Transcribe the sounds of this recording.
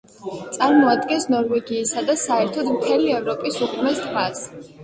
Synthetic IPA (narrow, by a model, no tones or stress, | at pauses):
t̪sʼaɾmɔad̪ɡɛnsnɔɾvɛɡiːsad̪asaɛɾt̪ʰɔd̪mt̪ʰɛliɛvɾɔpʼisuχʰmɛst̪ʰmas